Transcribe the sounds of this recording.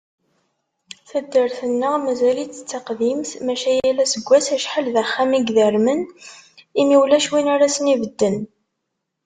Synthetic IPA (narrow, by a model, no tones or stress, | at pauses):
θæd̪ːəɾθənːəʁmæzælit͡sːə̥t͡sːaqðimθmæʃæjælːæsəɡʷːæsæʃħəlðæχːæmiɡðəɾmən | imiwlæʃwinaɾasənivəd̪ːən